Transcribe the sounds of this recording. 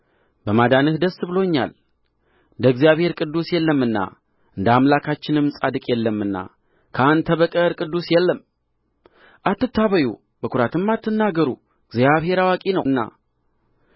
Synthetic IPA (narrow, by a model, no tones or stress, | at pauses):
bəmad̪anɨhd̪əsːbɨlo̞ɲːa̰l | ɨd̪əɡzijaβhe̞ɾkʼɨd̪ːusjɛlːəmːɨnːa̰ | ʔɨnd̪əamlakʰat͡ʃːɪnɨmsʼad̪ɨkʼjɛlːəmːɨnːa̰ | kʰəant̪ʰəβəkʼəɾkʼɨd̪ːusjɛlːəm | ʔat̪ːɨt̪ːaβəjṵ | b̥əkʰuɾat̪ɨmːat̪ːɨnːaɡəɾu | ɨɡzijaβhe̞ɾawakʼinəwnːa̰